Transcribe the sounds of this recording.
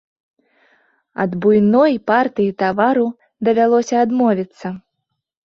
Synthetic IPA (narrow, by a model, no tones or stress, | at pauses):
ɐ̰d̪bujnɔjpart̪ɨjit̪avaɾu | d̪ɐvʲalˠɔsʲɐːd̪mɔvʲit̪sːɐ